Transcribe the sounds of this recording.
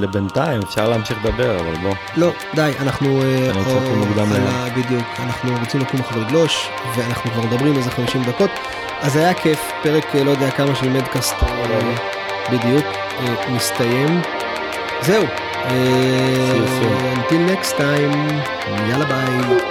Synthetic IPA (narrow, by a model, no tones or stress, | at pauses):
lebent̪aimefʃaʁleːmʃiχd̪abeʁava̰lbo | lo̞ | d̪ajanaχnuoonuɡd̪ammleabid̪ijukanaχnuʁot͡simakumaχalliɡlo̞ʃ | veanaχnukvaʁmed̪ɐabʁimalezeχamiʃimd̪ako̞t̪ | azajakʰef | peʁeklo̞jdejakamaʃimed̪kast̪e | bid̪ijuk | enist̪ajem | zeu | e | nt̪ilnekst̪ːajm | mijalabait